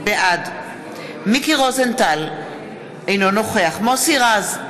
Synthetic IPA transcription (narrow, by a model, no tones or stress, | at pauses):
beʔad | mikiʁozent̪al | ejno̞no̞χeaχmosiʁaz